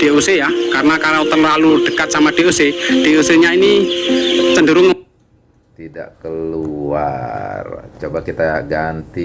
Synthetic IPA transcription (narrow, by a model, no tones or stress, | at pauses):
d̥eʔosejakaɾənakaɾaot̪əlalud̥əkat̪̚samad̥eʔosed̥eoseɲaini | t͡ʃəndəɾʊŋ | t̪ida̰ʔkəluart͡ʃobakit̪aɡant̪i